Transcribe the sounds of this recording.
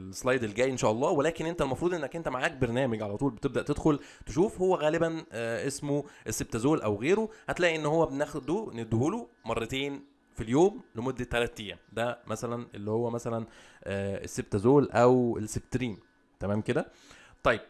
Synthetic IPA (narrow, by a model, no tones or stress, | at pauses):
lesˤlɑjd̪elɡæːjʔenʃæːʔɑlˤːɑːwelæːkenʔent̪ælmɑfɾuːd̪ʔenːækʔent̪æmaʕaːk̚beɾnæːmeɡʕalæt̪ˤuːlbet̪eb̚d̪æʔt̪ed̪xol | t̪eʃuːfhowːæɣæːlebænʔesmoʔesːeb̚t̪æzoːlʔæwɣeːɾohæt̪læːʔiʔenːhowːæbenæːxd̪uned̪ːhuːlumɑrˤːɑt̪eːn | filjoːmlemod̪ːæt̪ːælæːt̪ːijːæd̪æmæsælænelːihowːæmæsælæn | ʔːḛsːeb̚t̪æzoːlʔæwḛlsːeb̚t̪ɾiːm | t̪æmæːmked̪æ | t̪ˤɑjːeb̥̚